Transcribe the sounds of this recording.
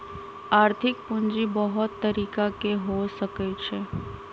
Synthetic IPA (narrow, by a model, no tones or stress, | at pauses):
aːɾt̪ʰɪk̚pʊ̃nd͡ʒibəɦʊt̪ːɐɾiːkakeɦosəkət͡ʃʰe